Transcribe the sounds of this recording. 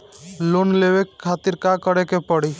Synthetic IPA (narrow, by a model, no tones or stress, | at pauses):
lonlebekʰːat̪iɾkakəɾekepəɽi